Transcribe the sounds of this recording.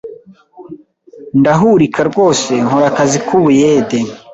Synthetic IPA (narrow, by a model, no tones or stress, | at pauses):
ndaɦuɾikʰaɾɡo̞ːse̞ŋɦoɾakazikʰuβujeːde